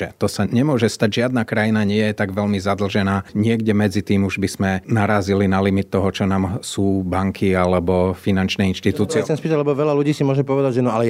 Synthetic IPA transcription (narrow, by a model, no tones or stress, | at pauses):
ʒɛ̰t̪ɔsaɲɛmʊɔʒɛst̪aɟʒɪad̪nakɾajinaɲɪɛjjɛt̪aɡʋɛʎmizad̪l̩ʒɛnaːɲɪɛɡɟɛmɛd͡zit̪iːmuʒbiz̥mɛnaɾaːzilinalimit̪ːɔɦɔt͡ʃɔnaːmsuːbaŋkʰialɛbɔfinant͡ʃnɛːinʃt̪it̪uːt͡sɪɛsɛmspiːt̪aɟlɛbɔʋɛlaluɟiːsimʊɔʒɛpɔʋɛd̪aɟʒɛnɔalɛ